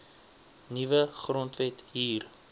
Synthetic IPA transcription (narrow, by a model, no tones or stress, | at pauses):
nivəχrɔntvɛtɦiːr